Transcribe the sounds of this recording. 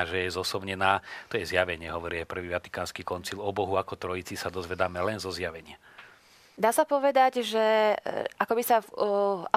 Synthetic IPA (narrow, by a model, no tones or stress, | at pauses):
aʒɛjɛzɔsɔʊɲɛnaːt̪ɔjɛzjaʋɛɲɪɛɦɔʋɔɾiajpr̩ʋiːʋat̪i̥kaːnskiːkɔnt͡silɔbɔɦuakɔt̪ɾɔjit͡sisad̪ɔzʋɛd̪aːmɛlɛnzɔzjaʋɛɲɪa | d̪aːsapɔʋɛd̪aɟʒɛ | akɔbisa